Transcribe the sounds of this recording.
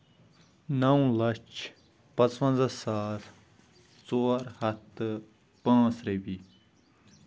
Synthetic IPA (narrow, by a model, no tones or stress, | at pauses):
nɐw̃lɐt͡ʃ | pɐt͡sʋɐ̃nzɐsaːt̪ | t͡soːɾhɐt̪ | pãːsɾebi